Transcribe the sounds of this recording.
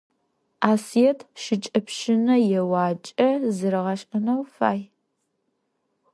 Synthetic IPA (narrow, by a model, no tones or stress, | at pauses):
aːsijɛtʰʃɪt͡ʃʼɐpʃɪnɐjɛwɑːt͡ʃʼɐzɨɾɨʁɐɕʼɐnɐwfa̰ːj